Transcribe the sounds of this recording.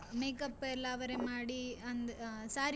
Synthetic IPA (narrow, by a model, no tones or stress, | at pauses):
meːkɐpːɛlːɐːʋɐɾemaːɽiɐnd̪saːɾ